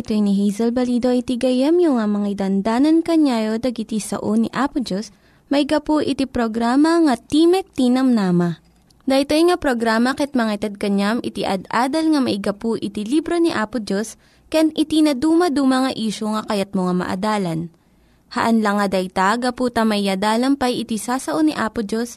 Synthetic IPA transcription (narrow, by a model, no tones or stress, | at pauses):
t̪ojniɦɛjzɛlbɐliːd̪oʔit̪iɡɐjɐmjʊŋamɐŋɐd̪ɐnd̪aːnɐnkɐɲaːjod̪ɐɡɪt̪isɐ̰ʔoniʔaːpʊd͡ʒos | mɐɪɡɐpuʔɪt̪ipɾoɡɾaːmɐŋɐt̪iːmɛk̚t̪inɐmnamɐ | d̪ɐjt̪ojŋɐpɾoɡɾaːmɐkɛt̪̚mɐŋɐt̪ɐd̪̚kɐɲamɪt̪iʔɐ̰d̪aːd̪ɐlŋɐmɐʔɪɡɐpuʔɪt̪ilibɾoniʔaːpʊd͡ʒos | kɐjanʔɪt̪inɐd̪uːmɐd̪umɐŋɐʔiːʃoŋɐkɐjat̪̚moŋamɐ̰ʔɐ̰d̪aːlɐn | hɐʔɐnlɐŋɐd̪ɐjt̪aɡɐput̪ɐmɐʔɪjɐd̪aːlɐmpɐjɪt̪isaːsɐʔoniʔaːpʊd͡ʒos